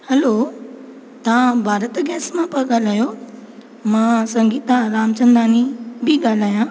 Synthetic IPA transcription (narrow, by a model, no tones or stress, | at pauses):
hɐlo | t̪ɐʋãbʱaːɾət̪ɡɛːsmãpɐɠaːl̤aːjo | mãːsɐ̃ŋɡiːt̪aɾaːmt͡ɕə̃nd̪aːnĩbʱɪɠaːl̤aːjãː